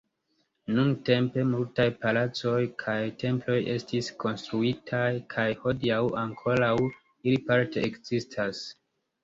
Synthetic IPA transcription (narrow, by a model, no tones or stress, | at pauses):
nunte̞mpe̞multajpalat͡so̞jkʰajtʰe̞mplo̞je̞stisko̞nstɾuitʰajkʰajho̞diawaŋkʰo̞ɾaw | ilipaɾte̞ekz̥istʰas